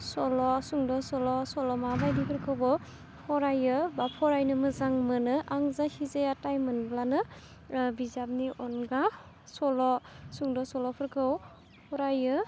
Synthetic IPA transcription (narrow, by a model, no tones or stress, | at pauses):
sɔlɔsuŋdɔsɔlɔsɔlɔmabajdipʰɯɾkʰɯwbɔ | hɔɾajɯbapʰɔɾajnɯmɯzaŋmɯnɯʔaŋzahizeatajmɯnblanɯ | bizap̚niʔɔnɡa | sɔlɔsuŋdɔsɔlɔpʰɯɾkʰɯw | hɔɾajɯ